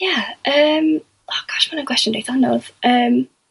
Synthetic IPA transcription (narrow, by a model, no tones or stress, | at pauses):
jaəm | ɔɡ̥ɔʃmanənkʰw̥ɛst͡ʃəndejθanɔð̥ʔəm